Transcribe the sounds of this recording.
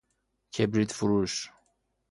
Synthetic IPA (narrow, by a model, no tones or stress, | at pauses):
kʰebɾit̪fuɾuʃ